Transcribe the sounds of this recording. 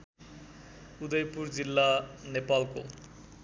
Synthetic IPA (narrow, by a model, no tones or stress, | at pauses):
ud̪ejpuɾd͡ʑilːanepalko̰